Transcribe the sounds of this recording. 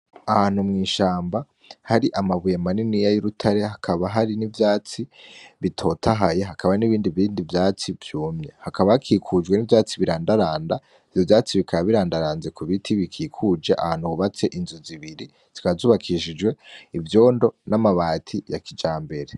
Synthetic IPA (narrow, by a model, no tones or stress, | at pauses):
ahaːn̥humŋiːʃaːmba | haɾiʔamaβujemaninijajuɾutʰaɾe̞hakʰaβaɦaɾinivjaːt͡siβitʰo̞tʰaɦajeɦakʰaβaniβiːndiβiːndivjaːt͡sivjuːmɲehakaβahakʰiːkʰud͡ʒɡwe̞nivjaːt͡siβiɾaːndaɾaːnda | ivjovjaːt͡siβikʰaaβiɾaːndaɾaːnze̞kuβitʰiβikʰiːkʰud͡ʒeʔa̰haːn̥huβuβat͡se̞ʔinzuziβiɾi | z̥ikazuːβakʰiʃid͡ʒwe̞ivjo̞ːndo̞namaβaːtʰijakid͡ʒaːmbe̞ɾe̞